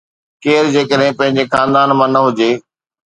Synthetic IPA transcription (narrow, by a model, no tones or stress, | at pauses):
keːɾd͡ʑeːkəɗɦɪ̃pɐ̃ɦɪ̃ɲd͡ʑexaːnd̪aːnmãːnɐɦʊd͡ʑeː